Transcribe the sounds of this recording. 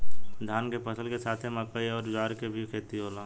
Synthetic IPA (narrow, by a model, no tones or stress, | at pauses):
d̪ʱaːnkepəsəlkesaːt̪ʰeməkəiɔːɾd͡ʒaːɾkebʱikʰeːt̪iɦoːlãː